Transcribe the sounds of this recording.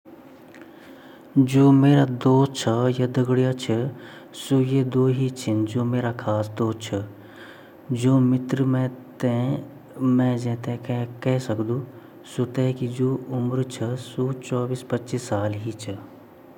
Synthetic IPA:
d͡ʒoːmeːɾad̪oːt͡ʃʰəjad̪ɐɡɽijat͡ʃʰə | sojed̪oːɦit͡ʃʰɪnd͡ʒoːmeːɾakʰaːsd̪oːt͡ʃʰə | d͡ʒoːmɪt̪ɾəmɛ̃t̪ẽ | mɛ̃ːd͡ʒɛ̃t̪ɛkɛɦsɐkd̪ũː | sot̪ɛkid͡ʒoːʊmɾt͡ʃʰəsoːt͡ʃɔːbiːspɐtːʃisːaːlɦit͡ʃʰə

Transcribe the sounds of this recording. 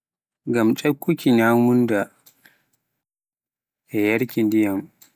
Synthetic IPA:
ɡamt͡ʃʼɐkʷːukʲiɲaːmʊnda | ʔɛjɐɽkʲindɪjɐm

